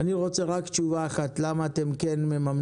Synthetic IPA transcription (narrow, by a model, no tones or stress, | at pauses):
aniʁo̞t͡seʁakt͡ʃuvaːχatlamaːt̪e̞mkenmemam